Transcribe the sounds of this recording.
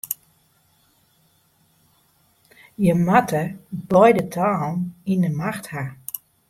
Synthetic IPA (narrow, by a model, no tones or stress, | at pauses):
jəmatʰəbɔjdətʰaːninəmaxtha